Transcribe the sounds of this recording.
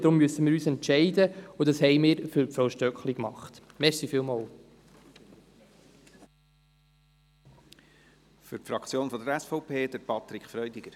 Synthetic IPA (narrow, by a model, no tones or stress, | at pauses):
d̥ɾʊmːyəsəmɪːɾyːsɛntʃɛɪdəudɑshɛɪmɪːɾfʏɾpfɔwʃtœkχlikmɑχtmɛɾsifiːlmɑːl | fʏɾtfɾɑkt͡sjoːnfɔd̪əɾɛsfɔʊpʰeːd̥̪əɾpʰɑt̪ɾɪkʰfɾœʏdɪɡəɾ